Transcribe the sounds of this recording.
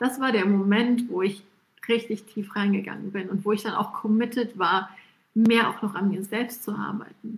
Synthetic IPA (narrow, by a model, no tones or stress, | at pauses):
d̥asv̥aːɐɾeːɐmomɛntv̥oːɪç | ʁɪçtɪçtʰiːfʁ̥aɪnɡəɡa̰ŋənbɪnʊntv̥oːɪçd̥ana̰ʊxkʰɔmɪtətv̥aːɐ | meːɐʔa̰ʊxnɔχanmiːɐzɛlpstt͡suʔa̰ɐba̰ɪt̚n̩